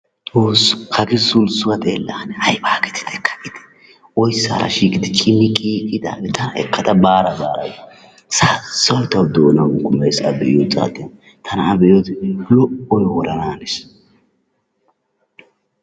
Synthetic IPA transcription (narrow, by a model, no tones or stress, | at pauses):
oːskʰɐɡɪsʊlsʊwɐt̪ʼḛːlːɐhnɛhɐjbaːkɛ̥t̪ʰɪ̥t̪ɛkʰːɐ̥kːɪd̪ɪ̥ | ɔjsa̰ːɾɐ̰ʃiːkʼɪd̪ɪt͡ʃʼɪmːɪkʼiːkʼɪd̪a̰ːbɛt̪ʰɐnɐʔɛ̰kʰːɐt̪ɐbaːɾɐbaːɾɐ̰jɐ | saːsɐwt̪ɐwd̪oːnɐwʊkʼʊmɐjsɐbɛʔɪjoːt͡sʼa̰ːt̪ːɛn | t̪ʰɐnɐːbɛʔɪjot̪ɪlɔʔɔjwɔɾɐnaːnɛs